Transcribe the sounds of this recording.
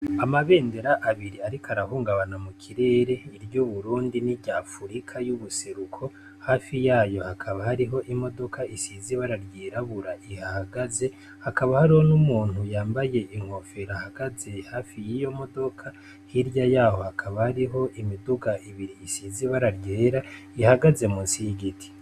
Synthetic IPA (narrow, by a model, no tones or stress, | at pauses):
amaβe̞ːnde̞ɾaʔaβiɾiaɾikʰaɾaɦuːŋɡaβanamukʰiɾe̞ːɾe̞iɾɟuːβuɾuːndiniɾɟaːfuɾikʰajuβuse̞ɾukʰo̞ | haːfijaːjo̞hakʰaβahaɾiɦo̞ʔimo̞do̞kʰaisiːziβaɾaɾɟiːɾaβuɾaʔihahaɡaze̞ | hakaβahaɾiho̞numuːn̥hujaːmbaje̞ʔiŋ̥ho̞fe̞ɾahaɡaze̞haːfijijo̞mo̞do̞kʰa | hiɾjajaːho̞hakʰaβahaɾiɦo̞ʔimiduɡaʔiβiɾiːsiːziβaɾaɾɟeːɾaihaɡaze̞muːnsijiɡitʰi̥